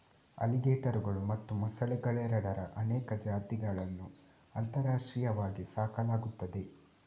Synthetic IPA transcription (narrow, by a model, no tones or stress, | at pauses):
ɐ̰liɡeːʈɐɾuɡɐɭumɐt̪ːumɐsɐɭiɡɐɭɛːɾɐɽɐɾɐ̰ʔɐnɛːkɐd͡ʒaːt̪iɡɐɭɐnːu | ɐnt̪ɐɾaːʂʈɾijɐʋaːɡisaːkɐlaːɡut̪ːɐd̪e̞